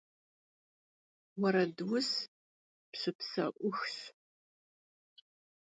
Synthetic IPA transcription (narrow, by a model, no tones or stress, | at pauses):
wɐɾɐdwʊs | pɕɨpsɐ̰ʔʷʊxɕ